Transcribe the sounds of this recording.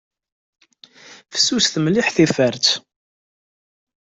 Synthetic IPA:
fə̥sːusθəmliħθifəɾt͡s̪

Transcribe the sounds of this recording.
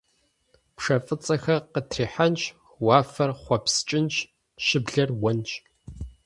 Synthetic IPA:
pʂɐfʼɨt͡sʼɐxɐqətʰriːħant͡ʃʼ | waːfɐrχʷɔpst͡ʃʼɪnt͡ʃʼ | ʃɪbɮɐrwɐnt͡ʃʼ

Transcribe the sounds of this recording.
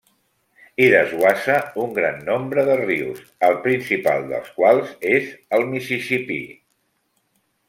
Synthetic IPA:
iɾəzwasəuŋɡɾanːombɾəðərius | əlˠpɾinsipa̰lˠd̪ə̰lˠskwalˠzezəlˠmisisipḭ

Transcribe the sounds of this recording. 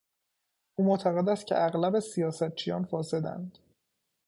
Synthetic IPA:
ʔuːmot̪ʰæɣe̞d̪æst̪̚cʰḛʔæɣlæbesijɒːsæt̪̚t͡ʃʰijɒːnfɒːse̞d̪æ̰nd̪̥

